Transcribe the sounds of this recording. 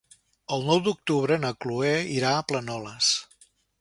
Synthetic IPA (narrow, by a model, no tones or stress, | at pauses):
əlˠnɔwd̪uk̚t̪uβɾənəklueiɾaəplənɔləs